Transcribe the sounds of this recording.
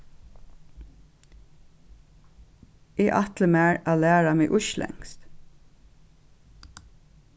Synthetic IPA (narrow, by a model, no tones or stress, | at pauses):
eːʔɑt̪ləmæːɹɑːlæːɹɑmeʔʊʃlʔɛ̰ŋst̪